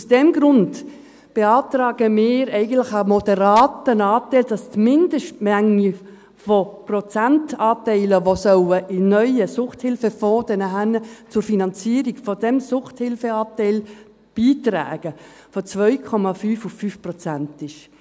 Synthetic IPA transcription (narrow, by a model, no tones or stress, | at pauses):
usd̥ɛmɡɾʊnd | b̥eɑːtrɑːɡəmɪːɾɛɪɡən̩tlɪχamɔdɛɾɑːtənɑːtɛɪld̥ɑstmɪndəʃtmɛŋi | fɔprɔt͡sæntɑːtɛɪləʋosœwəʔɪnœʏəsʊχthɪlfəfɔːd̥ənəɦænt͡sʊrfinɑnt͡siːəɾiɡ̥fɔdɛmsʊχthɪlfəɑːtɛɪl | b̥iːtræ̰ːɡ̥ə | fɔt͡svœʏkʰɔmɑfyːfʊfːyːfprɔt͡sæntɪʃ